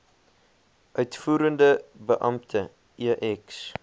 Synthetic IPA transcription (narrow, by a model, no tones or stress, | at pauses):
ʔœɥtfuːɾəndəbəʔɐmtʰə | iʔɛks